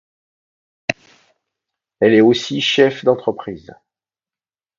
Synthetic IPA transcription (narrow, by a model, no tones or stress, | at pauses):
ɛlɛosiʃɛfd̪ɑ̃t̪χəpχiːz